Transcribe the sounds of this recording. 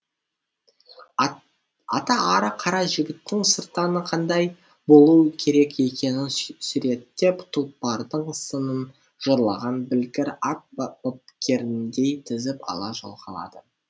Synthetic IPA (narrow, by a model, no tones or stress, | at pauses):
ɑt̪ɑːɾəqʰɑɾɑʒɪɡʲɪt̪ːɪŋsəɾt̪ɑnəqʰɑnd̪ɑj | bo̞lˠukʲʰe̞ɾe̞ke̞kʲe̞nɪnsʏɾe̞d̪ɪd̪̥e̞pt̪ʰəl̚ˠpɑɾd̪əɴsənən | ʒ̥oɾlˠɑʁɑnbɪlkʲɪɾat̪̚bop̚kʲʰe̞ɾɪnd̪e̞jt̪ʰɪzɪpɑ̰lˠɑʒo̰lˠqɑ̰lˠɑ̰d̪ə